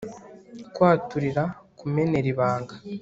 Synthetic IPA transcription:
kwaːtuɾiɾakume̞ne̞ɾiβaːŋɡa

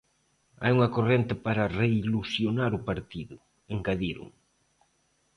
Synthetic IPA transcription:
a̰juŋɐkorent̪ɪpaɾɐreilusjonaɾʊpaɾt̪iðʊ | eŋkaðiɾʊ̰ŋ

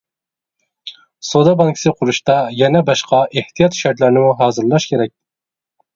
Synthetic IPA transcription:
sod̪ɑbɑŋkʲʰɪ̥sɨqʰʊɾuʃt̪ɑjɛnɛbɑʃqʰɑʔeht̪ʰijɑt̪ʃɛɾt̪læɾnɪmuɦɑːzɨɾlˠɑʃkʲʰeɾɛk̚ʲ

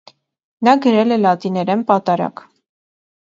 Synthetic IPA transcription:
nɑɡəɾɛlɛlɑt̪inɛɾɛnpɑt̪ɑɾɑ̰k

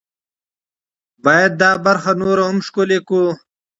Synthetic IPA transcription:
baːjɐd̪̚ːaːbɐɾxanoːɾaɦʊmʂkoleku

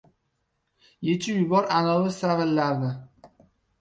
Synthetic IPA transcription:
jet͡ʃʰɪjʊbɒɾanɒlˠɪsavɪlːaɾd̪ɪ

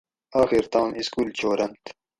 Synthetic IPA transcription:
ɑːxiɾt̪ɑ̃ːnʔiskuːlt͡ɕʰoːɾɐnt̪

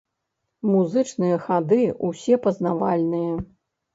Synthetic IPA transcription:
muzɨt͡ʂnɨjɐxad̪ɨusʲɛpɐznavalʲnɨjɐ

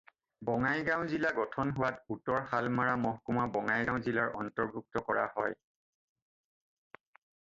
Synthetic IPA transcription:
bɔŋajɡãw̃zilaɡɔtʰɔnɦʊwatutɔɹxalmaɹamɔɦkumabɔŋajɡãw̃zilaɹɔntɔɹbʱuk̚tɔkɔɹa̰hɔj

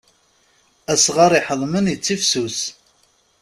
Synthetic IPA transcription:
æsʁɑɾˤiħəðˤmənjət͡sːifsus

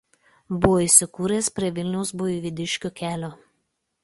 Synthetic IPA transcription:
bʊʋoːiˑsʲɪkuːɾʲeːspʲɾʲiɛʋʲɪlʲnʲɛʊsbojuʋʲɪd̪ʲɪʃʲkʲokʲæːlʲoː

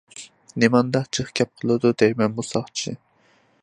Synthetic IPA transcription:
nemɑnd̪ɑqt͡ʃʰəχkʲʰɛp̚qʰəlˠɨd̪ud̪ɛjmɛnbusɑχt͡ʃʰḭ

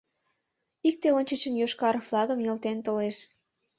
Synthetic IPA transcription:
ik̚t̪eonʲt͡ɕət͡ɕənjoʃkɑɾflɑɣəmjelt̪ent̪oleʃ

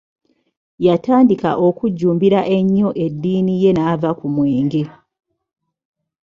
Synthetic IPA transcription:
jataːndika̰ʔo̞kuɟːuːmbiɾaʔe̞ɲːo̞ʔe̞dːiːnije̞naːvakumweːŋɡe̞

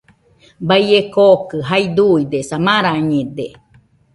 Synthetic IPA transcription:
bajekokɨɦaid̪uid̪esamaɾaɲed̪e

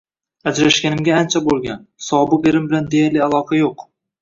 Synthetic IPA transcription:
ad͡ʒɾaʃɡʲanɪmɡʲaːnt͡ʃʰabolˠɡʲansɒbɨqeɾɪmbɪland̪ejaɾlɪalˠɒqʰajoq

